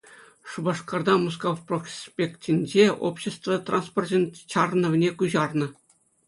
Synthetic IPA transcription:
ʂubɑʂkɑrd̪ɑmus̬kofprospʲektʲinʲd͡ʑeo̰pɕĕst̪vɤt̪ransportʲɘ̆nʲt͡ɕɑrnɤ̆ʋ̆ʲnʲekuʑɑrnɤ̆

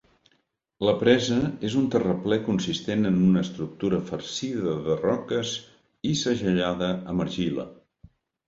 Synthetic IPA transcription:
ləpɾɛzəezunt̪ərəplɛkunsist̪enənunəːst̪ɾuk̚t̪uɾəfəɾsiðəðərɔkəz | isəʒəʎaðəəməɾʒilə̰

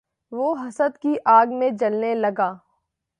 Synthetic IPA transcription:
ʋoːɦɐsəd̪kiʔaːɡmẽd͡ʒɐlnelɐɡaː

